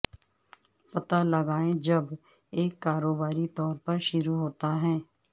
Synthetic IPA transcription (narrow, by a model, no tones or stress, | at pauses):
pɐt̪alɐɡaːẽd͡ʒɐb | eːkːaːɾoːbaːɾit̪ɔːɾpɐɾʃʊɾuɦoːt̪aɦɛ̃ː